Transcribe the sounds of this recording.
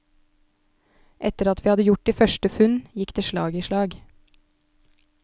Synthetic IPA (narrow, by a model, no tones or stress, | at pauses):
ʔɛt̪əɾɑt̪ʋiːhɑd̪əjʊʈ̚iːfœʃʈəfʉnjɪkd̪eːʃlɑ̰ːɡiːʃlɑːɡ